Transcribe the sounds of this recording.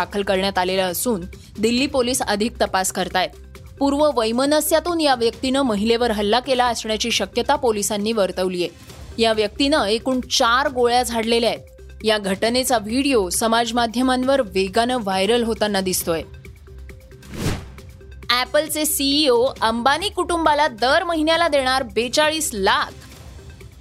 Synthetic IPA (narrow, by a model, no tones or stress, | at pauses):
akʰəlkəɾɳjat̪alelaəsuːn | d̪ilːiːpoliːsəd̪ʱik̚t̪əpaskəɾt̪ajet̪ | puɾʋəʋəjmənəsjat̪uːnjaʋjək̚t̪inəməɦileʋəɾɦəlːakelaəsɳjat͡ɕiːɕəkjət̪apolisanːiːʋəɾt̪əʋlije | jaʋjək̚t̪inəekuːɳt͡ɕaɾɡoɭjad͡zʱaɽleleaet̪ | jaɡʱəʈnet͡saʋʱiɽijosəmad͡zmad̪ʱjəmanʋəɾʋeɡanəʋajɾəlɦot̪anːad̪ist̪oje | æpəlt͡sesiːoəmbaniːkuʈumbalad̪əɾməɦinjalad̪eɽ̃aɾbet͡saɭiːslakʰ